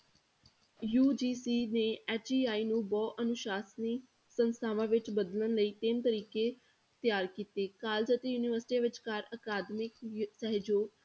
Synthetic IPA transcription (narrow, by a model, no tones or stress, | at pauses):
juːd͡ʒiːsiːneːɛːt͡ʃiːaːiːnũːbɔːʔənʊʃaːsniː | sənst̪ʰaːʋãːʋɪt͡ʃbəd̪lənləiːt̪ɪmt̪əɾiːkeː | t̪jaːɾkiːt̪eːkaːld͡ʒət̪ijuːnɪʋəɾsɪ̥ʈiʋɪt͡ʃkaːɾəkaːd̪mɪksɛɦd͡ʒoː